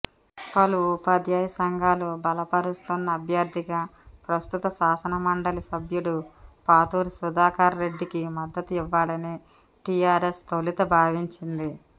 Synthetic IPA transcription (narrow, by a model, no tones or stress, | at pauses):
pɐlupɐd̪jaːjɐsɐŋɡʱaːlubɐlɐpɐɾust̪unːɐːbʱjɐɾd̪ʱiɡaːpɾɐst̪ut̪ɐsaːsɐnɐmɐɳɖɐlisɐbjuɽupaːt̪uːɾisud̪aːkaːɾɾe̞ɖːikimɐd̪ːɐt̪uiʋːaːlɐni | ʈijaːɾest̪olit̪ɐbʱaːʋiɲt͡ʃind̪i